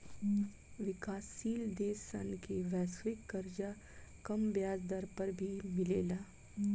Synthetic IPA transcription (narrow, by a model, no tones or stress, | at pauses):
ʋɪkaːsːiːld̪eːsɐ̰nkeʋɛːsʋɪkːɐɾd͡ʒa | kɐmbjaːzd̪ɐɾpɐɾbʱimɪleːlaː